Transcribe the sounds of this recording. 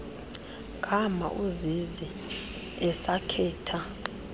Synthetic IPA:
ɡʱʼama̰ʔuzizi | ɛsakʰɛːtʰa

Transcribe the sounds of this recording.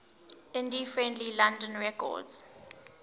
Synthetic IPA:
ɪ̃ndifɹɛ̃ndlilãndɔ̃nɹɛkʰɔ̰dz̥

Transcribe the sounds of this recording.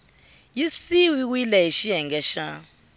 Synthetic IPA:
jisiwik̬wilɛiʃijɛŋɡɛʃa

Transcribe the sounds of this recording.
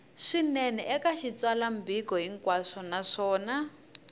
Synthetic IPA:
ʂinɛnɛʔɛkaʃit͡swalambikɔɦiŋkwaʂɔnaʂɔːna

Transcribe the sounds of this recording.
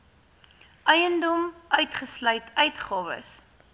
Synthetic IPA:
ʔœjəndɔmʔœɥtχəslœɥtœɥtχɑːvə̰s

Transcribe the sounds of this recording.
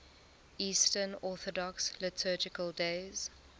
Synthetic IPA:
iːstənɔˑθɔdɔkslɪtʰɜːd͡ʒɪkəldeɪz̥

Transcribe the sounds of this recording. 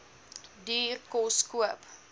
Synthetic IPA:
diːrkɔskuəp

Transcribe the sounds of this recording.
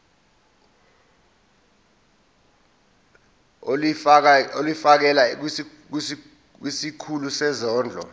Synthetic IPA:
olifak̬ɛlak̬ | k̬ | k̬wisikʰulusɛzɔːnd͡ɮʱɔ̰

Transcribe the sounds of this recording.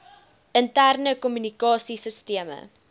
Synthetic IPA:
əntærnəkɔmynikɑːsisəstiəmə̰

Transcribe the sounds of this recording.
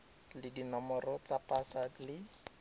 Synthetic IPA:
lɪdinɔmɔrɔt͡sapʼasalɪ

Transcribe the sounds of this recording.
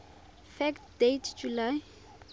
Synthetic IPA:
fɛktdetʰd͡ʒulaj

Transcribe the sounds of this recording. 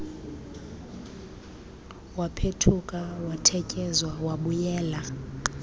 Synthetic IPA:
wapʰetʰukʼawatʰɛcʼɛzwawaɓujɛːla

